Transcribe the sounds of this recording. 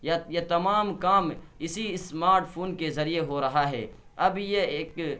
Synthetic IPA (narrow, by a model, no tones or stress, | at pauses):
jajet̪ɐmaːmkaːmɪsismaːɾʈpʰoːnkezɐɾijeɦoɾɐɦaɦɛ̰ː | ɐbjeeːk